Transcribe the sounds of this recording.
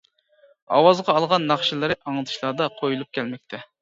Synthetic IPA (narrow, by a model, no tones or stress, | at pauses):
ɑ̰wɑzʁɑːlˠʁɑnːɑχʃilˠɨɾɨʔɑŋlˠɨt̪ʰɨ̥ʃlˠɑɾd̪ɑqʰojulˠup̚kʲʰɛlmɛk̚ʲt̪ʰɛ